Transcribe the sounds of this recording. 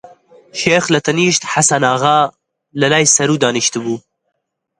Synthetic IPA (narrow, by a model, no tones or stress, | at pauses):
ʃeːxlɐt̪ʰɐniːʃt̪ħasanaːɣaː | lɐlɑːjsɐɾuːd̪ɑːniʃt̪ɨbuː